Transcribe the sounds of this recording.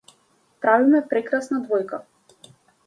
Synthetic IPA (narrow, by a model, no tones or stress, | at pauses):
pɾavimɛpɾɛkɾasnad̪vɔjka